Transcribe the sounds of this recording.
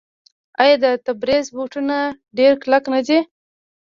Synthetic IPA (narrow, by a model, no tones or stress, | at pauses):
ajad̪ət̪abɾezbuʈuna | ɖeɾklaknad͡ʒe